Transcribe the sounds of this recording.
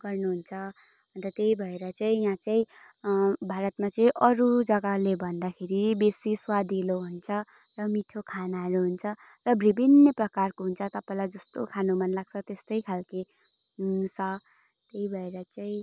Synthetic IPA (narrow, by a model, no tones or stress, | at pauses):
ɡ̥ʌrnuɦunt͡sʰʌ | ʌnt̪ʌt̪eibʱʌeɾʌt͡saĩjãt͡saĩ | bʱaɾʌt̪mat͡saĩʔʌɾud͡zʌɡalebʱʌnd̪akʰeɾibesiswad̪ʱiloɦunt͡sʰʌ | rʌmiʈʰokʰanaɦʌɾuɦunt͡sʰʌ | rʌbʱibinjʌprʌkarkoɦunt͡sʰʌt̪ʌpaĩlajd͡zʌst̪okʰanomʌnlaɡ̚t͡sʰʌt̪est̪ʌjkʰalke | sʌ | t̪eibʱʌeɾʌt͡saĩ